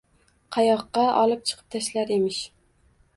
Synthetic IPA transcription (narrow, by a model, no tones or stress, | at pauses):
qʰɑjɒqːɑʔɒlˠɨp̚t͡ʃʰɨ̥qʰɨp̚t̪ʰaʃlaɾe̞mɪʃ